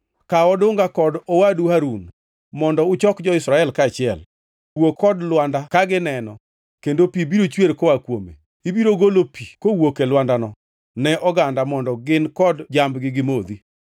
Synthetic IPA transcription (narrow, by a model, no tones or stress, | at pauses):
kaɔdʊŋɡakɔdɔwaduhaɾun | mɔndɔʊt͡ʃɔkd͡ʒɔɪsɾaɛlkat͡ʃɪɛl | wokʰːɔdlwandakaɡɪnɛnɔ̰ | kendopibiɾot͡ʃweɾkɔwakwo̰mḛ | ibiɾoɡolopʰikowokelwandanɔ | nɛʔɔɡandamɔndɔɡɪnkɔdd͡ʒambɡɪɡɪmod̪i